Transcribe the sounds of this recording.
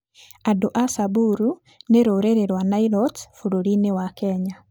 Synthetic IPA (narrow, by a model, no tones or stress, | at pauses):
adoʔasabuɾu | neɾoɾeɾeɾwanailɔtfuɾoɾinewakɛɲa